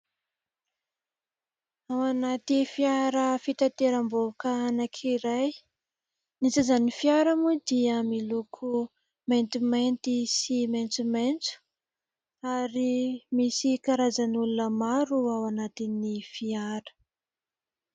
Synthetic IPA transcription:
awanat̪ifiaɾəfit̪at̪eɾambokaanakʰiɾaj | nit͡sazanifiaɾamud̪iəmilukʰu | ment̪iment̪isiment͡sument͡su̥ | aɾimisikaɾazanulunəmaɾuawanat̪inifiaɾə̥

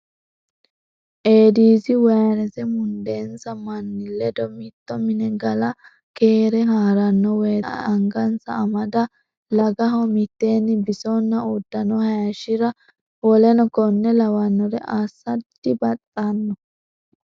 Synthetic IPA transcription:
ʔeːd̪iːzɪwɐjɐɾɛzɛmʊnd̪e̞ːnsɐmɐnːɪlːɛd̪ɔmit̪ːɔmɪnɛɡɐlɐ | keːɾɛhaːɾɐnːɔwḛːɐŋɡɐnsɐ̰ɐmɐd̪ɐ | lɐɡɐɦɔmɪt̪ːe̞ːnːɪbɪsɔnːɐud̪ːɐnɔhɐjɐʃɪɾɐ | wɔlɛnɔkɔnːɛlɐwɐnːɔɾɛʔaːsːɐdɪbɐtʼːanːɔ

